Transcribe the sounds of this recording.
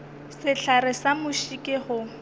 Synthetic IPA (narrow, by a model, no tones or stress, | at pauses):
sɪɬʰarɪsamʊʃikʼɪhʊ